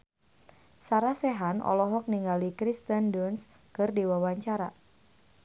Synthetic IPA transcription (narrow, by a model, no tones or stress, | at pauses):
saɾasɛɦanɔ̰lɔɦɔk̚niŋɡalikɾist̪əndɔns | kɨrdiwawaɲt͡ʃaɾa̰